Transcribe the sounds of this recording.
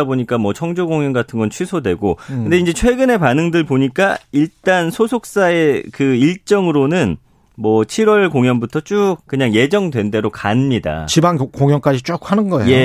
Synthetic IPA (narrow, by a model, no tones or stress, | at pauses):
aboɲik͈amwʌt͡ɕʰʌŋd͡ʑoɡoŋjʌnɡatʰɯnɡʌnt͡ɕʰɥisʰodwe̞ɡokɯnde̞ind͡ʑe̞t͡ɕʰwe̞ɡɯne̞panɯŋdɯɭpoɲik͈aiɭt͈ansʰosʰok̚s͈ae̞kɯiɭt͡ɕ͈ʌŋɯɾonɯn | mwʌt͡ɕʰiɾwʌɭkoŋjʌnbutʰʌt͡ɕ͈uk̚k͈ɯɲaŋje̞d͡ʑʌŋdwe̞nde̞ɾokanmɲida̰t͡ɕibaŋkoŋjʌŋk͈ad͡ʑit͡ɕ͈ok̚hanɯnɡʌḛje̞